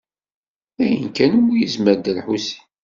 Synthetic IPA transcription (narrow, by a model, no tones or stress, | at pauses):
æjə̰nkænumːujəzməɾd̪əlħusi̥